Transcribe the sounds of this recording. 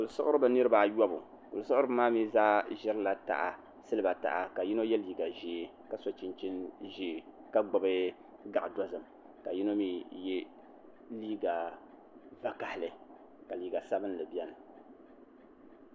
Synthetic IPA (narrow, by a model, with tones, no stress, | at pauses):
kʊ˨lsʊ˦ʔʊ˦ɾɨ˦bɨ˦nɨ˦ɾɨ˦ba˨jɔ˦bʊ̰˨ | kʊ˨lsʊ˦ʔʊ˦ɾɨ˦bɨ˦maː˦mi˦zaː˦ʒɛ˦ɾɨ˦la˨ta̰˨ʔa̰˨ | sɨ˦lɨ˦ba˨ta̰˨ʔa˨ka˨ji˦no˦jɛ˦liː˨ɡa˨ʒeː˨˦ | ka˨so˦t͡ʃɪ˦nt͡ʃi˦nʒe˨ka˦ɡ͡bɔ˨bɨ˦ | ɡa˨ʔdɔ˦zɨ˨m | ka˨ji˦no˦mi˦jɛ˦ | liː˦ɡa˨ | va˨ka˨hɪ˨lɨ˨ | ka˨liː˨ɡa˨sa˦bɨ˦n˦lɨ˨bɛ˦nɨ˨